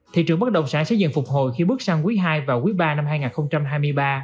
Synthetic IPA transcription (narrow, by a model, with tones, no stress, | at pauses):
t̪ʰḭ˧˨t͡ɕɨ˨˩əŋɓə˦˥t̚ɗə˨˩wŋ͡msaː˧˩sɛ̰˧˥zɨ̰˧˨nfʊ˨˩k͡p̚ho˨jxi˧ɓɨ˦˥ək̚saː˧ŋkwi˨˦ɦaː˧jvaː˨˩wkwi˨˦ɓaː˧na˧mhaː˧jŋaː˨˩nxə˧wŋ͡mt͡ɕa˧mɦaː˧jmɨ˧əjɓaː˧